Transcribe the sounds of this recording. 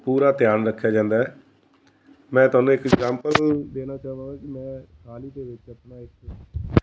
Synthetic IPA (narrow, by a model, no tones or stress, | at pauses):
puːɾaːt̪jaːnɾəkʰːjaːd͡ʒãːnd̪aːɦɛː | mɛ̃ːt̪ʊwaːnũːɪkɛɡzaːmpəld̪eːnaːt͡ʃaːʋãːɡaːkɪmɛ̃ːkʰaːliːt̪eːʋɪt͡ʃəpnaːɪkʰ